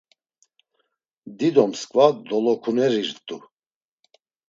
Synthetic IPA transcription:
d̪id̪ɔmskʼvad̪ɔlɔkʰunɛɾiɾt̪ʼu

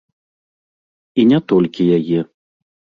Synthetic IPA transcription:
inʲɛt̪ɔlʲkʲijajɛ

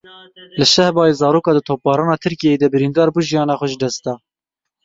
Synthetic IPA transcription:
lɨʃɛhbɑːjeːzɑːɾoːkɑːd̪ɨt̪ʰoːp̚bɑːɾɑːnɑːt̪ʰɨɾkijɛjed̪ɛbɨɾind̪ɑːɾbuːʒijɑːnɑːxʷɛʒd̪ɛst̪ɑː

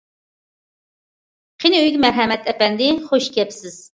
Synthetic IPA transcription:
qʰinɪyjɡʲmɛɾɦɛmɛt̪ʰɛpɛnd̪ɪχoʃkʲɛpsɪz̥

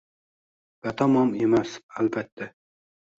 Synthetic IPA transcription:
b̥æt̪ʰɑmɑmemæsælbɛt̪ʰːɛ

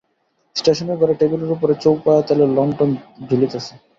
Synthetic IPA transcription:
sʈeʃɔneɡʱɔɾaʈebileɾupoɾet͡ɕowpaat̪alelɔŋʈɔnbʱilit̪asʰe̥

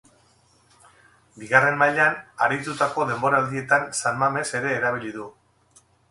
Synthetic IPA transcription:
biɣare̞mmaʎanaɾit̪ut̪ako̞ðe̞mbo̞ɾaːld̪ie̞t̪ansalmame̞se̞ɾe̞ːɾaβiliðu

